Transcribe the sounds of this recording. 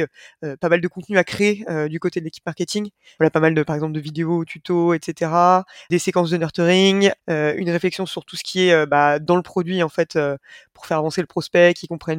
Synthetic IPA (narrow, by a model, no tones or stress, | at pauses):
øpamald̪əkɔ̃t̪nyakχeːød̪ykot̪ed̪əlekʲi̥pmaʁkʲet̪iŋ | valapamald̪əpaʁɛɡzɑ̃p̬ld̪əvid̪eot̪ʰyt̪oɛt̪set̪eʁad̪esekɑ̃s̬d̪ənœʁt̪øʁiŋøynʁeflɛksjɔ̃syʁt̪usə̥kʲʰiɛøbad̪ɑ̃ləpχɔd̪ɥiɑ̃fɛt̪øpuʁfɛʁavɑ̃seləpχɔspɛkʲikɔ̃pχɛn